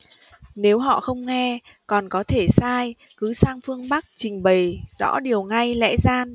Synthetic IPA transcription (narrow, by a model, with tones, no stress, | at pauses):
ne˨˦wɦɔ̰˧˨xə˧wŋ͡mŋɛ˧ | kɔ˨˩nkɔ˨˦t̪ʰe˧˩saː˧j | kɨ˨˦saː˧ŋfɨ˧əŋɓa˦˥k̚t͡ɕï˨˩ŋ̟ɓə˨˩jzɔ̰˧˥ɗi˨˩əwŋa˧jlɛ̰˧˥zaː˧n